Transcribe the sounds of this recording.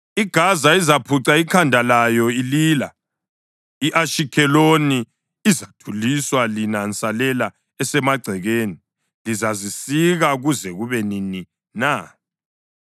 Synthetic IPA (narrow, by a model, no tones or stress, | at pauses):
iɡ̥ʱazaizapʰuǀaikʰandʱalajɔiliːla | iʔaʃikʰɛloni | izatʰuliswalinant͡sʼalɛla | ɛsɛmaɡ͡ǀʱɛɣeːni | lizazisiɣaɣuzɛɣuβɛnini | na